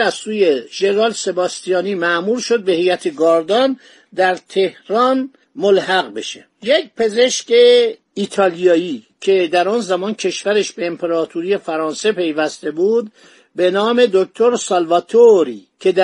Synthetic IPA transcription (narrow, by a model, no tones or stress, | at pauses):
æzsuːjeʒ̥eneɾɒːlse̞bɒst̪ijɒːniːmæʔmuːɾʃo̞d̪̚be̞hejæt̪ʰeɡɒːɾd̪ɒn | d̪æɾt̪ʰe̞hɾɒn | molhæɣbe̞ʃe | jec̚pʰe̞ze̞ʃce | it̪ʰɒːlijɒːiːcʰe̞d̪æɾɒːnzæmɒːncʰe̞ʃvæɾeʃbe̞ːmpʰeɾɒːt̪ʰuɾije̞fæɾɒːnse̞pʰe̞jvæst̪e̞buːd̪ | be̞nɒːme̞d̪ok̚t̪ʰo̞ɾsɒlvɒt̪ʰoɾiːcʰe̞d̪æ